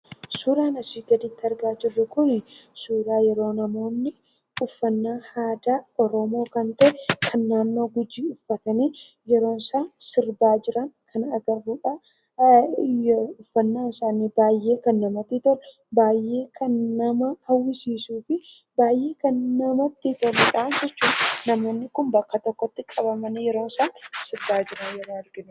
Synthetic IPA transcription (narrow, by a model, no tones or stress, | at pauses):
suːɾaːnɐsiːɡɐd̪ɪt̪ːɐɾɡaːd͡ʒɪrːɛkʊnɪsuːɾaːjɛɾo̞ːnɐmo̞ːnːɪ | ʊfːɐnːaːhaːd̪aːɔɾɔmo̞ːkɐnt̪ɐʔɛkʰɐnːaːnːo̞ːɡʊd͡ʒːiːʊfːɐt̪ɐneː | jɛɾo̞ːnsaːsɪɾbaːd͡ʒɪɾɐŋkʰɐnɐɡɐrːuːᶑa | ʊfːɐnːaːnɪsaːnibaːjʔe̞ːkɐnːɐmɐt̪ːɪt̪ɔɾɛ | baːjʔːe̞ːkʰɐnːɐmɐhɐwːɪsiːsuːfɪ | baːjʔe̞ːkɐnːɐmɐt̪ːɪt̪ɔrɛᶑɐːnd͡ʒɛt͡ʃːuːnnɐmo̞ːnːɪkʊmbɐkːɐt̪ɔkːɔt̪ːɪkʼɐbɐmɐnɪjɛɾo̞ːnsaːnsɪɾbaːd͡ʒɪɾɐnjɛɾoːɐɾɡɪn